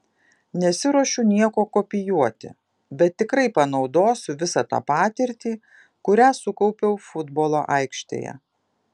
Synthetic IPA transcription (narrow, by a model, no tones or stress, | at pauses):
nʲɛsʲɪɾuɔʃʲʊnʲiɛkoːkoːpʲɪjuɔt̪ʲɪ̰ | bʲɛt̪ʲːɪkɾɐɪpɐnɒʊd̪oːsʲʊʋʲɪsɑt̪ɑ̰ːpɑːt̪ʲɪɾʲt̪ʲiː | kʊɾʲæːsʊkɔʊpʲɛʊfʊd̪boːlˠo̰ːʔɐɪkʃʲt̪ʲḛːjɛ̰